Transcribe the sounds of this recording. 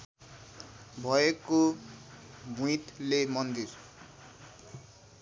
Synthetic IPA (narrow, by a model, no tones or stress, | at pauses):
bʱʌeko | bʱũit̪lemʌnd̪ir